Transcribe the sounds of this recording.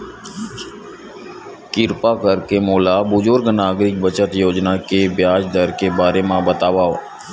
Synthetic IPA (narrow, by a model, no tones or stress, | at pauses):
kɪɾpakəɾkemoːlabʊzʊɾɡnaːɡɾɪk̚bət͡ʃət̪joːd͡ʒnakebjaːd͡ʒd̪əɾkebaːɾemãbət̪aːʋaoː